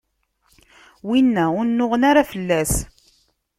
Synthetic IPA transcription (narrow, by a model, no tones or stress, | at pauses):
winːæʊnnːʊʁənaɾafəlːæs